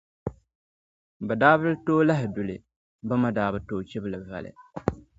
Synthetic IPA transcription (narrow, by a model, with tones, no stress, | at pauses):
bɛ˨daː˦bɨ˦ltoː˦la˦ɦɪ˨dʊ˨lɨ˨ | ba˦ma˦daː˦bɨ˦toː˦˨t͡ʃɛ˦blɨ˨va̰˨lɨ̰˨